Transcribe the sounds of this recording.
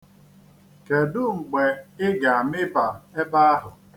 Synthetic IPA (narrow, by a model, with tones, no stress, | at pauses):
ke˨dʊ˦ŋ͡m̩˨ɡ͡be˨ɪ˦ɡa˨a˨mɪ˦ba˨e˦ba˦a˦ɦʊ˨